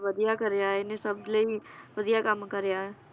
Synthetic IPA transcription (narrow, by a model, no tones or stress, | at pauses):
ʋəd̪ijakəɾejaːɪnẽsəb̚d̪ləiʋəd̪ijakəmkəɾejaːɛ